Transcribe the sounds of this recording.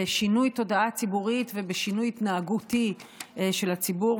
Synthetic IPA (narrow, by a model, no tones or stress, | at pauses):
eʃinujto̞daat͡sibuʁitve̞beʃinujit̪naːɡutiʃe̞lhat͡sibu